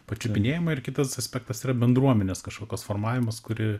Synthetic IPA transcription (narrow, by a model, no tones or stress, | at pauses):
pɐt͡ʃʲʊpʲɪnʲeːjɪmɐɪrkʲɪt̪ɐsɐsʲpʲɛːk̚t̪ɐsiːɾɐbʲɛnd̪ɾuɔmʲɛnʲeːskɐʃkoːkʲoːsfoːrmɑːʋʲɪmɐskʊɾʲɪ